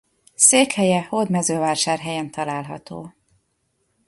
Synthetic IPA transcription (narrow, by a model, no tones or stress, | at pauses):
seːkhɛjɛhod̪mɛzøːvaːʃaːrɦɛjɛnt̪ɒlaːlɦɒ̰t̪o̰ː